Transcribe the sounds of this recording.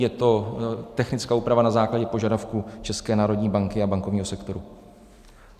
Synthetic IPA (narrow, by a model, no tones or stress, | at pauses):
jɛt̪o̞t̪ɛxnɪt͡skaːuːpɾavanazaːklaɟɛpo̞ʒadafkuːt͡ʃɛskɛːnaːɾo̞dɲiːbaŋkɪabaŋko̞vɲiːɦosɛkt̪o̞ɾu